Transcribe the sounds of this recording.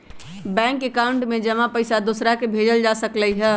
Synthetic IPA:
bɛ̃ːŋkekaʊ̃ɳʈmẽd͡ʒəmãpəɪsad̪oːsɾakebʱeːd͡ʒəld͡ʒasəkləiɦɛ

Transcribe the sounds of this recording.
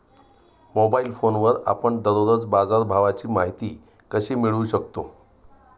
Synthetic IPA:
mobailfonʋəɾa̰pəɳd̪əɾoɾət͡sbad͡zaɾbʱaʋat͡ɕiːmaɦit̪iː | kəɕiːmiɭuːɕəkt̪o

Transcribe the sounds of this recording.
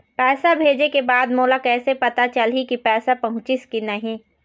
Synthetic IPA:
pɛːsabʱeːd͡ʒekebaːd̪moːlakɛːsepɐt̪at͡ʃɐlɦikipɛːsapɐɦʊ̃t͡ʃɪskinɐɦĩ

